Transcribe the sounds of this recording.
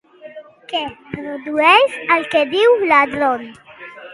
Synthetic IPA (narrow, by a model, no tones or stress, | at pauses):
kepɾod̪uejsalked̪iwlad̪ɾɔn